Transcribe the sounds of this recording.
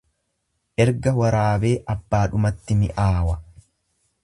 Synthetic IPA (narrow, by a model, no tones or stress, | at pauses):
ʔɛɾɡɐwɐɾaːbe̞ːʔɐbːaːᶑʊmɐt̪ːɪmɪʔaːwɐ